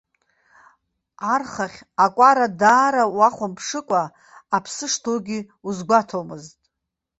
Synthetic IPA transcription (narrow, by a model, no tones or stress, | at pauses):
arχaχʲ | akʷʼaɾadaːɾawaχʷʊmpʰʂɨkʷʼaː | pʰsɨʂtʰoɡʲi | uzɡʷatʰomɨztʼ